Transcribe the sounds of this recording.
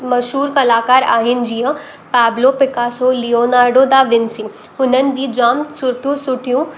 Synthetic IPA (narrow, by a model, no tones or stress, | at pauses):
mɐʃɦuːɾkɐlaːkaːɾa̰ːɦɪnɪ̆d͡ʑijə̃ | pɛːblopɪkasolioːnaːɾɖod̪aʋɪnsĩ | ʊnənɪ̆bʱid͡ʑaːmsʊʈʰijũsʊʈʰijũ